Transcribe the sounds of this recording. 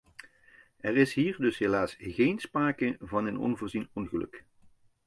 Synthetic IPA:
ɛrɪsɦiːrdɵsɦelaːsɣejnspraːkəvɑnənɔ̰nvʊːɹzinɔnɣəlɵ̰k

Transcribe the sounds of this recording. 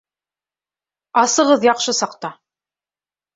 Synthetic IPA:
ɑsɤ̆ʁɤðjɑqʃɤsɑqt̪ɑ

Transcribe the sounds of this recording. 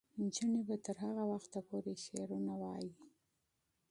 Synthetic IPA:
nd͡ʒənebat̪əɾɦaɣawaxt̪apoɾeʃeɾunawɑji

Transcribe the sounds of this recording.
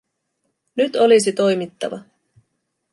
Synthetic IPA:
nyt̪o̞lis̬it̪o̞jmit̪ːɑ̰ʋɑ

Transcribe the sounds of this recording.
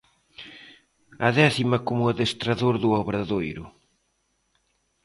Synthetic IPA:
ɐðɛθimɐkomʊɐðest̪ɾaðoɾðuɔβɾaðojɾʊ

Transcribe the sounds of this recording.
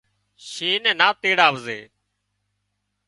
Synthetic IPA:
ʃiːnɛ̃ːnaːt̪eːɽaːʋəzḛː

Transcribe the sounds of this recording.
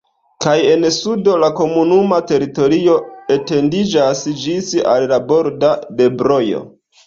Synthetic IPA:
kaje̞nsudo̞lako̞munumate̞ɾito̞ɾio̞ete̞ndid͡ʒasd͡ʒisa̰lːabo̞ɾdade̞bɾo̞jo̞̰

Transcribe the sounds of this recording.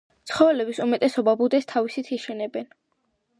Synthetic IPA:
t̪sʰχɔvɛlɛbisumɛt̪ʼɛsɔbabud̪ɛst̪ʰavisit̪ʰiʃɛnɛbɛn

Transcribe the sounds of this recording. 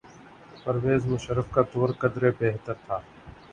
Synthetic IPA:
pɐɾʋeːzmʊʃəɾəfkat̪oːɾkɐd̪ɾebeːɦt̪əɾt̪ʰaː

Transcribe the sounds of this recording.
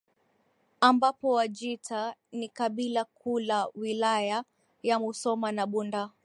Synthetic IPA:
ambapɔwad͡ʒitanikaɓilakʰulawilaja | jamusɔmanaɓunda

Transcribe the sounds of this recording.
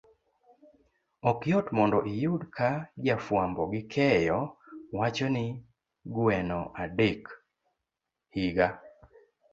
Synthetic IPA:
ɔkjɔtmɔndɔʔijʊdkʰad͡ʒafwambɔɡɪkʰɛjɔwat͡ʃɔnɪ | ɡwɛnɔʔadek | hiɡa

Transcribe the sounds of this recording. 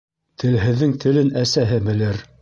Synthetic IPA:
t̪ʰɘ̆lɦɘ̆ðːɘŋt̪ʰɘ̆lɘnæsæɦɘbɘ̆lɘɾ

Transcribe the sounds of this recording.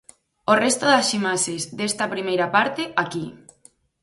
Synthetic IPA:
orest̪oðasimaʃezd̪est̪ɐpɾimejɾapaɾt̪eʔaki

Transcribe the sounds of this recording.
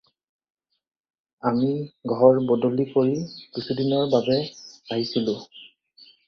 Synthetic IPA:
amiɡʱɔɹbɔdolikoɹikusudinɔɹbabɛaɦisilʊ̃

